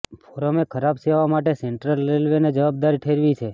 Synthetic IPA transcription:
fʰoɾəmekʰəɾabseʋamaʈeseɳʈɾəlɾelʋened͡ʒəʋab̚d̪aɾiʈʰeɾʋit͡ʃʰe

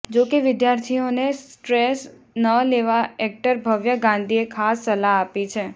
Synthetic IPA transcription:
d͡ʒokeʋɪd̪jaɾt̪ʰionesʈɾes | nəleʋaɛk̚ʈəɾbʱəʋjəɡãnd̪ʱiekʰasːəlaapit͡ʃʰe

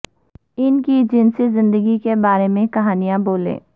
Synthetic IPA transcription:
ɪnkid͡ʒɪnsezɪ̃nd̪əɡikebaːɾemẽkɐɦaːnijãboːlḛː

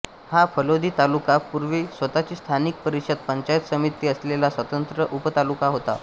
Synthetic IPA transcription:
hafʰəlod̪ʱiːt̪alukapuɾʋiːsʋət̪at͡ɕiːst̪ʰanik̚pəɾiɕəd̪̚pəɲt͡ɕajt̪səmit̪ːiːəslelasʋət̪ənt̪ɾəʔupət̪alukaɦot̪a̰

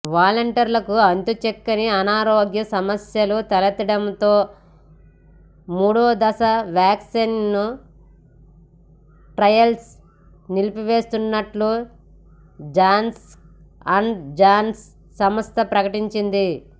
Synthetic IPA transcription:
ʋaːlɐɳʈɐɾlɐkuɐnt̪ut͡ʃekːɐniɐnaːɾoːɡjɐsɐmɐsjɐlut̪ɐlɐt̪iɽɐmt̪o̞ː | muːɽoːd̪ɐsɐʋjaːksinːu | ʈɾɐjɐls | nilipiʋe̞ːst̪unːɐʈlu | d͡ʒaːns | ɐɳd͡ʒaːnsː | ɐmɐst̪ɐpɾɐkɐʈiɲt͡ʃind̪i

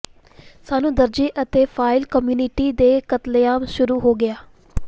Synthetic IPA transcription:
saːnũːd̪əɾd͡ʒiːʔət̪eːpʰaːɪlkəmjuːnɪʈiːd̪eːkət̪ljaːmʃʊɾuːɦoːɡɪaː

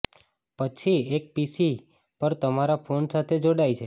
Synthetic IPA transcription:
pət͡ʃʰiek̚pisi | pəɾt̪əmaɾapʰonsat̪ʰed͡ʒoɽajt͡ʃʰe

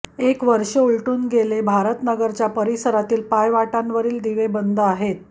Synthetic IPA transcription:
ekʋəɾʂəuɭʈuːnɡelebʱaɾət̪nəɡəɾt͡ɕjapəɾisəɾat̪iːlpajʋaʈanʋəɾiːld̪iʋebənd̪ʱəaɦet̪

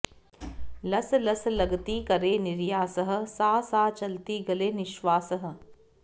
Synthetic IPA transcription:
lɐslɐslɐɡt̪ikɐɾeːnɪɾjaːsəɦə̆saːsaːt͡ʃɐlt̪iɡɐleːnɪʃʋaːsəɦə̆

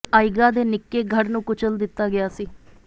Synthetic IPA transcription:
aːɪɡaːd̪eːnɪkːeːɡʱəɾnũːkʊt͡ʃəld̪ɪt̪ːaːɡɪjaːsiː

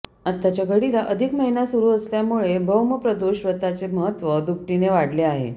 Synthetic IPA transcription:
at̪ːat͡ɕjaɡəɽilaʔəd̪ʱikməɦinasuɾuːəsljamuɭebʱəwməpɾəd̪oɕʋət̪at͡seməɦət̪ʋəd̪ukʈineʋaɽleaɦḛ

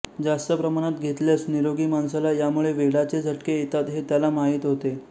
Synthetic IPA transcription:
d͡zast̪əpɾəmaɽ̃at̪ɡʱet̪ljasniɾoɡiːmansalajamuɭeʋeɽat͡sed͡zʱəʈkeet̪at̪ɦet̪jalamaɦit̪ɦot̪e

